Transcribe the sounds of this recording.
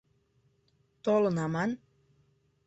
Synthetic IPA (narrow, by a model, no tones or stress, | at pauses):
t̪olonaman